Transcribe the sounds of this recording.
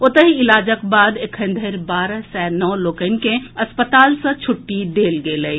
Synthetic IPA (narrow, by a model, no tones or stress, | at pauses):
ot̪əɦiilaːd͡ʒəkbaːd̪ekʰə̃nd̪ʱəɾbaːɾəsɛnɔːloːkəɪnkẽəspət̪aːlsə̃t͡ʃʰʊʈːid̪eːlɡeːləi